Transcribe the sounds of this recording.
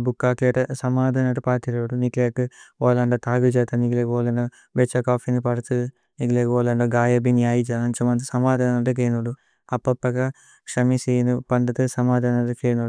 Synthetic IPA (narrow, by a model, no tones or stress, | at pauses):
bukːaːkeːʈɐsɐmaːd̪ʱanɐʈupaːt̪iloːɽunikleːkɨoːlɐɳɖɐt̪aːɡud͡ʒɐːt̪ɐniɡleɡoːlɐɳɖɐ | bet͡ʃːɐkaːfʰinipɐɾɐt̪u | niɡleːɡoːlɐɳɖɐɡaːjɐbinjaːjid͡ʒaɐnt͡ʃɐmɐnt̪usɐmaːd̪aːnɐʈɐk̬eːnuɖu | ɐpːɐpːɐkɐ | ʂɐmisiːnupɐɳɖɐt̪ɨsɐmaːd̪ʱanɐʈukeːnuu